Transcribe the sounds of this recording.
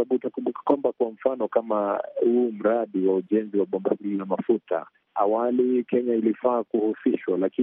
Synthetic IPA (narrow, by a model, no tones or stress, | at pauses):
aɓutakumbukḁkwambakwam̩fanɔkamahum̩ɾaɗiwauʄɛnziwaɓɔmbahiamafuta̰ | awalikɛɲailifaːkuhusiʃwalaki